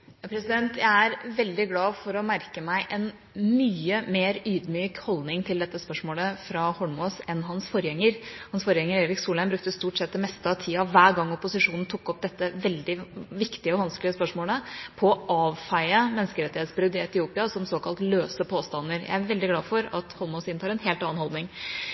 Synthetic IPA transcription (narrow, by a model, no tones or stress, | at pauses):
jɑːpɾɛsɪd̪ɛnt̪jæɪæɾʋɛld̪ɪɡlɑːfɔɾɔmæɾkəmæɪʔɛn | myːəmeːɾyːd̪myːkhɔld̪nɪŋt̪ʰɪld̪ɛt̪ːəspœʂmoːləfɾɑhɔɳmoːsɛnɦɑnsfɔɾjɛŋːəɾhɑnsfɔɾjɛŋːəɾeːɾɪksuːlæɪnbɾʉk̚t̪əst̪uːʈsɛt̪ːɛmɛst̪əɑʋt̪ʰiːɑʋæːɾɡɑŋːɔpʊsɪʂuːnn̩t̪ʰʊkːɔp̚d̪ɛt̪ːəʋɛld̪ɪʋɪkt̪ɪəɔʋɑnsklɪəspœʂmoːləpʰɔɑːʋfɑɪəmɛnskəɾɛt̪ːɪheːt̪sbɾʉd̪ɪɛt̪ɪuːpɪɑsɔmsoːkʰɑlt̪løːsəpʰoːst̪ɑnːəɾjæ̰ɪæɾʋɛld̪ɪɡlɑːfɔɾɑt̪hɔlmoːsɪnʰɑːɾɛnɦeːlt̪ɑːnhɔld̪nɪŋ